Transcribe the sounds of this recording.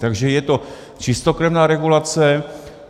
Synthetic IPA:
t̪aɡʒɛjɛt̪o | t͡ʃɪst̪okɾɛvnaːɾɛɡulat͡sɛ

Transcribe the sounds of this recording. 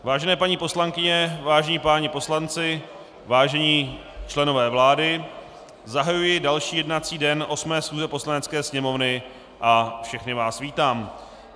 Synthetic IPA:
vaːʒɛnɛːpaɲiːpo̞slaŋkɪɲɛvaːʒɛɲipaːɲɪpo̞slant͡sɪ | vaːʒɛɲiː | t͡ʃlɛno̞vɛːvlaːdɪ | zaɦajujɪdalʃiːjɛdnat͡siːdɛnʔo̞smɛːsxuːzɛpo̞slanɛt͡skɛːsɲɛmo̞vnɪ | ʔafʃɛxnɪvaːsviːt̪aːm

